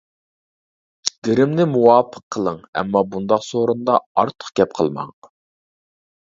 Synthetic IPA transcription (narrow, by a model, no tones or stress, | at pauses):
d̪̥ɪɾɪmnɪmuwɑːpʰə̥qʰːəlˠəŋɛ̰mːɑbund̪ɑqsoɾund̪ɑɑɾt̪ʰə̥χɡʲɛp̚qʰə̰lˠmɑ̰ŋ